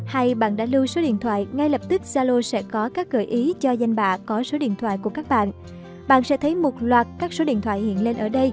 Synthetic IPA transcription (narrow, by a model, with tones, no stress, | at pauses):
ha˧jɓa̰ː˧˨nɗa̰ː˧˥lɨ˧so˨˦ɗḭ˧˨nt̪ʰwa̰ː˧˨jŋa˧jlə˨˩p̚t̪ï˦˥k̚zaː˧lo˧sɛ̰˧˥kɔ˨˦kaː˦˥k̚ɣəː˧˩jʔi˨˦t͡ɕɔ˧za˧jŋ̟ɓa̰ː˧˨kɔ˨˦so˨˦ɗḭ˧˨ənt̪ʰwa̰ː˧˨jku˧˩əkaː˦˥k̚ɓa̰ː˧˨n | ɓa̰ː˧˨nsɛ̰˧˥t̪ʰə˨˦jmo˨˩t̚lwaː˨˩t̚kaː˦˥k̚so˨˦ɗḭ˧˨ənt̪ʰwa̰ː˧˨jhḭ˧˨ənle˧nʔəː˧˩ɗə˧j